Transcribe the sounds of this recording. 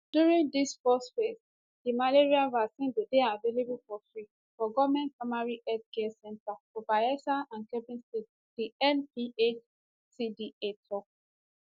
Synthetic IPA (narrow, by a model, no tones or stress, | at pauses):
d̥juɹĩŋdisfɔsfes | dimaleɹialvasĩnbideavelebulfɔfɹi | fɔɡɔvmɛ̃npɹamaɹiʔɛtkɛsɛ̃ntafɔbaɛsaãnkɛbĩnstet | d̥iɛ̃npiʔet͡ʃ | sidietʰɔ